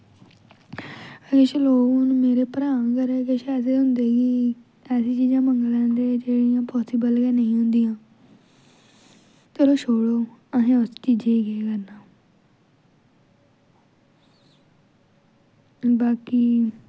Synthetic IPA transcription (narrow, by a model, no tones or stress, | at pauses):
əɡəʃloːɡʊnːmeːɾeːpəɾaːãkəɾeːkeʃɛːs̬eːɦʊnd̪eːɡiː | ɛːsiːt͡ʃiːd͡ʒãːməŋɡlãːd̪eːd͡ʒeːɽijãːpɔːsibəlɡɛ̃ːnəĩːɦʊ̃nd̪ijãː | t̪eɾoːʃʰoːɽoːəɦẽːʊst͡ʃiːd͡ʒeːɡeekəɾnaː | baːkiː